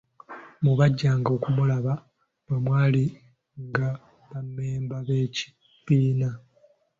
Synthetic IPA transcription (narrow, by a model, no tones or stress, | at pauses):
muβaɟːaːŋɡo̞ːkumulaβa | βamwaːli | ŋɡa | βamːeːmbaβe̞ːci̥ | pːiːna